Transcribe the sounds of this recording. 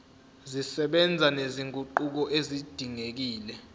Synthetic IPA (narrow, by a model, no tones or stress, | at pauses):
zisɛɓɛnd͡zʱaneziŋɡʱʼuǃuk̬ɔʔezid̥ʱiŋek̬iːlɛ